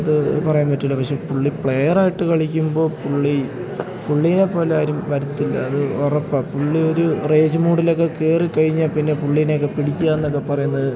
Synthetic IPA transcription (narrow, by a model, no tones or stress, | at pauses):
ɐðɨpɐrɐjaːnpɐtːilːɐpɐkʂe̞puɭːipɭe̞jɐraːjiʈːɨkɐɭikʲːumbo̞ːpuɭːi | puɭːijne̞pːo̞ːleaːɾumʋɐɾut̪ːilːɐ̰ɐðɨorɐpːɐpuɭːio̞ɾure̞ːd͡ʑɨmuːɽilo̞kːe̞keːrikɐɻiɲːapinːe̞puɭːijineokːepiɽikʲːujaːenːokːe̞pːɐrɐjunːɐðɨ